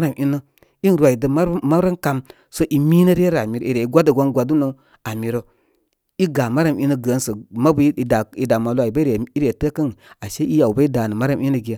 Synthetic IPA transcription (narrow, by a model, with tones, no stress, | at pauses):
a˦ɾa˨mʔi˦nə˦ | i˦n˨ɾʷwa˨i˨də˨a˦ma˦ɾə˦nka˨m | so˦ʔi˨mi˦nə˦ɾe˦ɾa˨mi˨ɾo̰˨i˨ɾe˨i˦ɡʷa˦də˨ɡʷa˦nɡʷa˨du˦no˨ | a˨mi˨ɾo˨ | i˦ɡa˨ma˦ɾa˨mi˦nə˦ɡə˨˦nsə˨ma˦bu˨˦˨da˨i˨da˨ma˨lu˦a˨i˨ba˦ɾe˨i˦ɾe˨tə˦kə˦ŋ˨a˨ʃe˦i˦ja˨u˨ba˦i˦da˨nə˨ma˦ɾa˦˨mi˦nə˦ɡi˨ja˦